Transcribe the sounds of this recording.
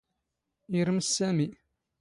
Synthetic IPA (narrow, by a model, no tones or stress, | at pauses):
iɾəmsːæmi